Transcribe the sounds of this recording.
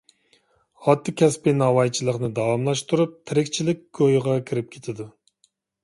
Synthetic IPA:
ɑt̪ʰːɨkʲʰɛspɪnɑwɑjt͡ʃʰilˠəqnɨd̪ɑwɑmlˠɑʃt̪uɾup̚t̪ʰɪɾɪkʲt͡ʃʰilɪk̚ʲɡ̥ojʁɑkʲʰiɾɪp̚kʲʰe̥t̪ʰɪd̪u

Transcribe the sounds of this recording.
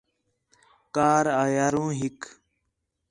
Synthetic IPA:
kaːɾaːjaːɾũːɦik

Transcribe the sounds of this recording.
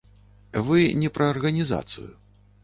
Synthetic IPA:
vɨnʲɛpɾɐːrɣɐnʲiza̰t̪sɨ̰ju

